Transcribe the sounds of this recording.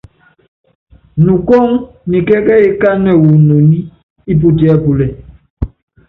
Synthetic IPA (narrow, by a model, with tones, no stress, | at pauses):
nu˨ko˦ŋ | ni˨kɛ˦kɛ˦i˦ka˦nɛ˨wu˨no˨ni˦ | i˦p̬u˦ti˨˦ɛ˦pu˨lɛ˨